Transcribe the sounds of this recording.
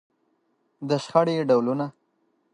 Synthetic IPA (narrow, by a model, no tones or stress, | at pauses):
d̪əʃxaɽeɖawluna